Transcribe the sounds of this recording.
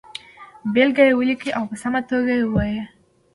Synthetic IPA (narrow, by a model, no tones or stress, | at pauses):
belɡajewəlikiʔawpəsamat̪oɡajewaje